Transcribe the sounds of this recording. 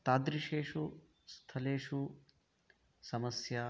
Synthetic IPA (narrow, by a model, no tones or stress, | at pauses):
t̪aːd̪ɾiʃeːʂu | st̪ʰɐleːʂu | sɐmɐsjɐ